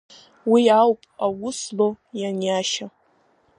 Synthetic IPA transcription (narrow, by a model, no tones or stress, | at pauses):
wiawpʼawʊslo | janjaʃa